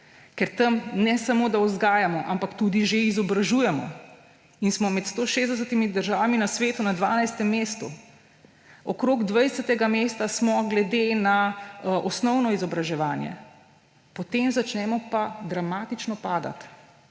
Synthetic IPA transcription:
kɛɾt̪ɐmnɛsamoːd̪aɔzɡaːjamɔʔampakt̪ud̪iʒeizɔbɾaʒuːjɛmɔ̰ | insmɔmɛt̪st̪oʃeːzd̪ɛs̬ət̪imid̪əɾʒaːʋaminasʋeːt̪unad̪ʋaːnajst̪ɛmːeːst̪u | ɔkɾoːɡd̪ʋajsət̪ɛɡameːst̪asmɔɡlɛd̪enaʔɔsnɔwnɔizɔbɾaʒɛʋaːnjɛ̰ | pɔt̪emzat͡ʃnɛmɔpad̪ɾamaːt̪it͡ʃnɔpaːd̪a̰t̪

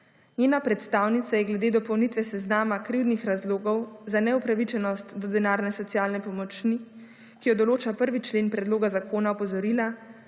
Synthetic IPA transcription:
nɲjeːnapɾɛt̪st̪aːwnit̪sajɛɡlɛd̪eːd̪ɔpɔwnit̪ʋɛsɛznaːmakɾiwd̪nixɾazloːɡɔwzanɛupɾaʋit͡ʃɛnɔst̪d̪ɔd̪ɛnaːɾnɛsɔt̪sijaːlnɛpɔmɔt͡ʃni | kijɔd̪ɔloːt͡ʃapəɾʋit͡ʃleːnpɾɛd̪loːɡazakʰoːnaɔpɔzɔɾila

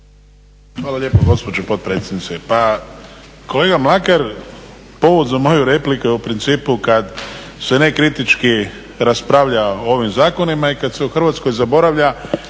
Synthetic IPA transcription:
xʋaːlalʎe̞ːpoɡo̞spo̞d͡ʒopo̞t̪̚pɾet̪sʲjed̪nitsepa | ko̞le̞ɡamlˠakaɾ | po̞ʋod̪zamo̞juɾe̞plikujeupɾint̪siːpukad̪se̞nekɾit̪it͡ʃki | ɾaspɾaʋʎaooʋimzaːko̞nimaikad̪se̞uxr̩ʋaːt̪skojzabo̞ɾaʋʎa

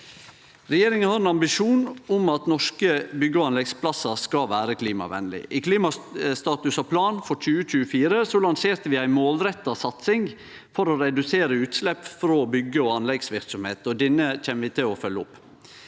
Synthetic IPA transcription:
ɾɛjeːɾɪŋənhɑɾɛnɑmbɪʂuːnʊmɑt̪nɔʂkəbʏɡəɔɑnlɛɡspʰlɑsəskɑʋæːɾəkʰliːmɑ̰ʋɛ̰nlɪ̰ʔɪkʰliːmɑst̪ɑːt̪ʉsɑpʰlɑːnfɔɾc͡çʉːəc͡çʉːəfiːɾəsolɑŋseːɾt̪əʋɪæɪmoːlɾɛt̪ːɑsɑt̪sɪŋ | fɔɾoɾɛd̪ʉseːɾəʉːt̪slɛpːfɾoːbʏɡəɔɑnlɛɡsʋɪɾksɔmhḛːt̪ɔd̪ɛnːəc͡çɛnːʋɪt̪ʰɪlɔfœlːəʊpː

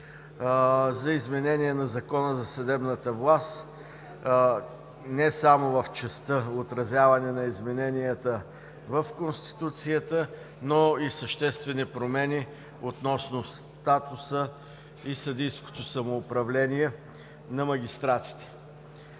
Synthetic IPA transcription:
zɐizmɛnɛniɛnɐzɐkɔnəzɐsɐd̪ɛbnət̪əvlˠast̪ | nɛsamovəft͡ʃɛst̪əot̪ɾɐzʲjavɐnɛnɐizmɛnɛnijət̪ə | vəfkonst̪i̥t̪ut̪sijət̪ə | noisəʃt̪ɛst̪vɛnipɾomɛni | ot̪nɔsnost̪at̪ʊsə | isɐd̪ijsko̥t̪osɐmoːpɾɐvlɛniɛ | nɐmɐɡʲist̪ɾat̪i̥t̪ɛ̥

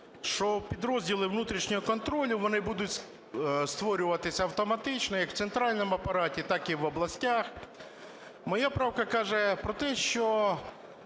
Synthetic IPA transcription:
ʃt͡ʃɔpʲid̪ɾɔzʲdʲilˠɪʋnut̪ɾʲiʃnʲɔɦɔkɔnt̪ɾɔlʲʊʋɔnɪbud̪ʊtʲs | st̪ʋɔɾʲʊʋɐt̪ɪsʲɐɐwt̪ɔmɐt̪ɪt͡ʃnɔjɐkw̥tsent̪ɾɑlʲnɔmʊɐpɐɾɑtʲit̪ɑkiʋɔblˠɐsʲtʲax | mɔjapɾɑwkɐkɑʒɛpɾɔt̪ɛʃt͡ʃɔ

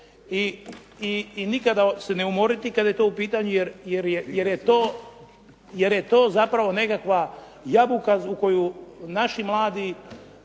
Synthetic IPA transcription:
i | iːnikad̪aseneumo̞ɾit̪ikad̪aje̞t̪o̞ːupiːt̪aɲujeɾjeɾjeje̞ɾjet̪oː | je̞ɾjet̪o̞ːzapɾaʋo̞ne̞kakʋa | jabukauko̞junaʃimlˠaːd̪i

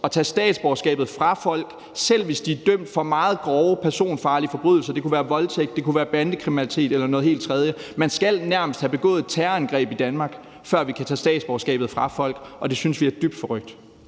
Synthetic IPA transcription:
ɒ̽t͡sʰɛːsd̥ɛ̰ːd̥sb̥ɒʊsɡ̥ɛ̰ːb̥ð̩ˠfʁɑ̈fɒ̽l̰ɡ̥ | sel̰ʋe̝sd̥iæd̥øm̰d̥fɒ̽mɑ̈ːð̞̩ˠɡ̥ʁɒʊəpʰæɐso̝̰ːnfɑ̈ːlifɒ̽b̥ʁyð̰ˠl̩sɐd̥e̝kuʋæːɐʋɒ̽lt͡sʰeɡ̥̚d̥e̝kuʋæːɐb̥ænd̥əkʰʁiminælit͡sʰe̝̰ːd̥elɐnɔ̽ːðˠhe̝̰ld̥̚t͡sʰʁɛð̞ˠjəmænsɡ̥æl̰næɐməsd̥hæb̥e̝ɡ̥ɔ̰̽ːð̩ˠt͡sʰæɐænɡ̥ʁɛ̰ːb̥id̥ænmɑ̈ːɡ̥ | fɶɐ̰ʋikʰæt͡sʰɛ̰ːsd̥ɛ̰ːd̥sb̥ɒʊsɡ̥ɛ̰ːb̥ð̩ˠfʁɑ̈fɒ̽l̰ɡ̥ʔɒ̽d̥e̝synsʋiæɐd̥yb̥d̥fɒʁœɡ̥̚d̥

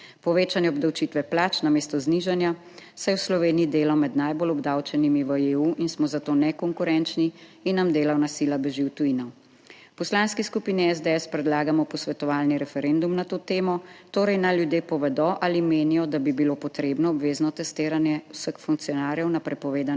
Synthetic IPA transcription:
pɔʋeːt͡ʃanjɛɔbd̪awt͡ʃit̪ʋɛplaːt͡ʃnameːst̪ɔzniʒanja | sajɛwslɔʋeːnijid̪eːlɔmɛd̪najbolɔbd̪awt͡ʃɛnimiʋəeuːʔinsmɔzat̪oːnɛkɔŋkuɾɛnt͡ʃniinːamd̪eːlawnasilabɛʒiwt̪uinɔw | pɔslanskiskupiːniɛzd̪eɛspɾɛd̪laːɡamɔpɔsʋɛt̪ɔʋaːlniɾɛfɛɾɛnd̪umnat̪oːt̪eːmɔt̪oːɾɛjnaljud̪jeːpɔʋɛd̪ɔʔalimeːnijɔd̪abibiloːpɔt̪ɾeːbnɔːbʋeːznɔt̪ɛst̪eːɾanjɛwsəxfuŋk̚t̪sijɔnaːɾjɛwnapɾɛpɔʋeːd̪an

